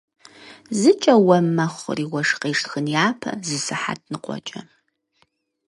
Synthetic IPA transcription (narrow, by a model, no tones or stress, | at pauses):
zɨt͡ʃʼɐwɐmɐχʷʊ̰riːwɐʂqeːʂtxənjaːpʰɐ̰zɨsɨħa̰t̚ʰnɨqʷʼɔ̰t͡ʃʼɐ